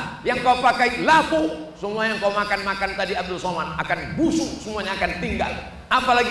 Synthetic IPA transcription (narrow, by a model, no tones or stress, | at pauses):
jaŋkaupakailakusəmuajaŋkaumakanmakant̪adiab̚dʊlsomanakanbusʊŋsəmuaɲaːkant̪iŋɡa̰l | apalaɡi